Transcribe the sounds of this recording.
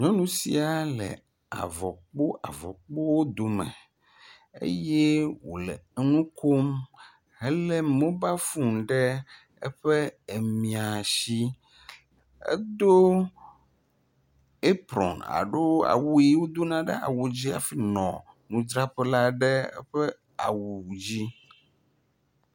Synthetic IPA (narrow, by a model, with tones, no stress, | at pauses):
ɲɔ̃˦nũ˦sḭ˦a˨lɛ̰˨ | a̰˨vɔ˨k͡po˦ʔa˨vɔ̰˨k͡po˦wo˦d̪o˨mɛ̰̃˨ | ḛ˦je˦wo̰˨lɛ̰˨˦nũ˦kʰo˦m | ɦɛ˦lɛ˦mõ˦ba˦fu˦mɖɛ˦ | ɛ̰˦ɸe˦e˨mĩ˨a˨ʃi˦ | ḛ˦d̪o˦ | e˦pɾɔ̰˨na̰˨ɖo˦a̰˨wu˦i˦wo˦d̪o˦nã˦ɖɛ̰˦a̰˨wu˨d͡ʑi˦a̰˨fi˦nɔ̃˨nũ˨d͡ʒɾa˦ɸɛ˦la˦ɖɛ˦ɛ̰˦ɸɛ˦ | a̰˨wu˨d͡ʑi˦